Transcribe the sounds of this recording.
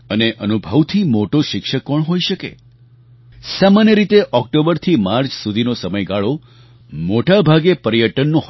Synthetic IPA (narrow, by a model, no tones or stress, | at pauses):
əneʔənubʱəʋt̪ʰimoʈoʃɪkʃəkːɔɳɦojʃəkḛ | samanjəɾit̪eʔɔk̚ʈobəɾt̪ʰimaɾt͡ʃsud̪ʱinosəməjɡaɭo | moʈabʱaɡepəɾjəʈənːũɦ